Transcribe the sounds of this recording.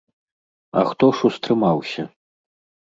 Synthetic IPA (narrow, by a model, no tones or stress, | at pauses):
ɐ̰xt̪ɔʂust̪ɾɨmawsʲɐ